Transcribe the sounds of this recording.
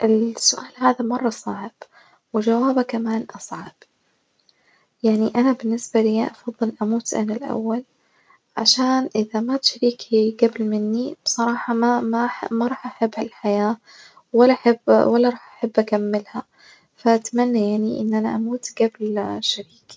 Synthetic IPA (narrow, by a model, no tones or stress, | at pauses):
ʔɪlsʊʔaːlɦaːðamɑrˤːɑsˤɑːʕɪb̥ | wɪd͡ʒawaːbakamaːnʔɑsˤʕɑb̥ | jaʕniʔanabɪnːɪsbalɪjaʔɑfɑðˤːɨlʔamuːt̪ʔanalʔa̰wːal | ʕa̰ʃaːnʔɪðamat̪ʃaɾiːkʰiɡablmɪnːib̥sˤɑɾˤɑːħɑmamamaɾˤɑːħʔaħabːhalħajaː | walːaʔaħabwalːɑɾˤɑːħʔaħabːʔakamːɪlha | faʔat̪amanːajaʕniʔɪ̰nːʔanaʔamuːt̪ɡablʃaɾiːk